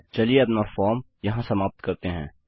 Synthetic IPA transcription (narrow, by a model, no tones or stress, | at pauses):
t͡ʃɐlieɐpnaːfɔːɾm | jɐɦãsɐmaːp̚t̪kɐɾt̪eɦɛ̰̃ː